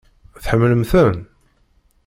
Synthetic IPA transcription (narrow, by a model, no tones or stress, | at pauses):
θħəmːləmθən